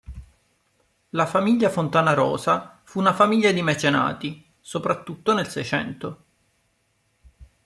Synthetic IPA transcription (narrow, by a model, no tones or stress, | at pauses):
lafamiʎːafont̪aːnaɾɔ̰ːzafuːnafamiʎːad̪imet͡ʃena̰ːt̪i | sopɾat̪ːut̪ːonelsɛjt͡ʃɛ̰nt̪o